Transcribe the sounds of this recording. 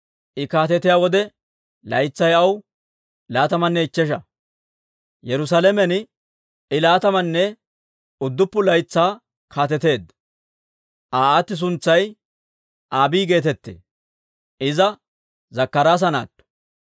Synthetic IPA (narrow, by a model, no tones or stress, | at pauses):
ʔɪkaːt̪ɛt̪ɪjaːwɔd̪ɛ | lɐjt͡sːɐjɐw | laːt̪ɐmɐnːɛɪt͡ʃːɛʃ̬ɐ | jɛɾʊs̬alɛmɛn | ʔɪlaːt̪ɐmɐnːɛ | ʊd̪ːʊpːʊlɐjt͡sːaː | kʰaːt̪̬ɛt̪e̞ːd̪ɐ | ʔaːat̪ːɪs̬ʊnt͡sːɐj | ʔaːbiːɡe̞ːt̪ɛt̪ːḛː | ʔɪzɐ | zɐkːɐɾaːs̬ɐna̰ːt̪ːʊ̥